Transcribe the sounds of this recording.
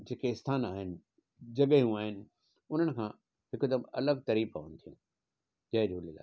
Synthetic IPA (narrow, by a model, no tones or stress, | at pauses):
d͡ʑeːkeɪst̪ʰaːnaːɦɪnɪ̆ | d͡ʑɐɠəijũaːɦɪnɪ̆ | ʊn̤ənɪ̆kʰã | ɦɪkd̪əmɐ̰ləɡ̚t̪ɐɾiːpːonɪt̪ʰijũː | d͡ʑɐɦɪ̃d͡ʑoːliɡa̰ː